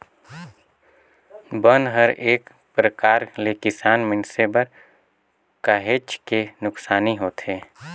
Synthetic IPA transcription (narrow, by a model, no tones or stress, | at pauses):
bənɦəɾeːk | pɾəkaːɾlekɪsaːnmɪnsebəɾ | kaːɦeːt͡ʃkenʊksaːniɦoːt̪ɦeː